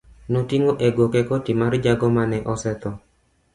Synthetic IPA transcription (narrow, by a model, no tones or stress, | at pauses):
notiŋoʔeɡokɛkotimaɾd͡ʒaɡɔmanɛʔɔsɛt̪ɔ